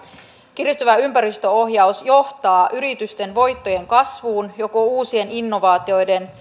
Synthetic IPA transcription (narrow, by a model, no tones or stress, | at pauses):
kirist̪yʋæympæɾist̪øo̞ɦjɑwsjo̞ht̪ɑːʔyɾit̪yst̪e̞nʋo̞jt̪ːo̞je̞ŋkɑsʋuːnjo̞ko̞uːsie̞ninːo̞ʋɑːt̪io̞jde̞n